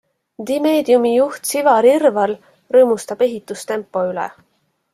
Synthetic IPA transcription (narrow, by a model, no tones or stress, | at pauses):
d̪ime̞ːd̪̥iumijuht̪sivɑɾirvɑl | rɤːmust̪ɑb̥e̞ɦit̪ːˑust̪e̞mpːˑo̞ylɛ̰